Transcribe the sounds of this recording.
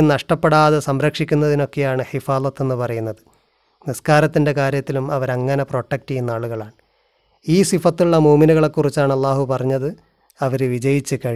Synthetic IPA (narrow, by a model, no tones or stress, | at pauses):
nɐʂʈɐpːeɽaːðesɐmɾɐkʂikʲːunːɐðino̞kːe̞jaːɳɨħifaːlɐt̪ːe̞nːɨpɐrɐjunːɐðɨ | niskaːɾɐt̪ːinde̞kaːɾjɐt̪ːilumɐʋɐɾɐŋːɐne̞pro̞ːʈːek̚ʈijunːaːɭuɣɐɭaːɳɨ | iːsifɐt̪ːiuɭːɐmuːminuɣɐɭe̞kːurit͡ɕːaːɳɐlːaːhupɐrɐɲːɐðɨ | ɐʋɐɾɨʋid͡ʑɐjit͡ɕːɨkɐɻi